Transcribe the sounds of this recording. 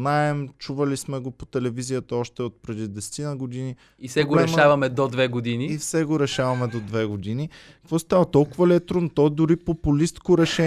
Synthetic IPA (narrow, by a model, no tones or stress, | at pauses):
naɛmt͡ʃuvɐlismɛɡopot̪ɛlɛvizijət̪əɔʃt̪ɛot̪̚pɾɛd̪id̪ɛsɛ̥t̪inəɡod̪ini | isɛɡolɛʃmavɐmɛd̪od̪vɛɡod̪iniifsɛɡoɾɛʃavɐmɛd̪od̪vɛɡod̪inikɐ̥kvɔst̪avət̪ɔlˠkʊvəlɛt̪ɾont̪ɔd̪ʊɾipopulist̪koɾɛʃɛ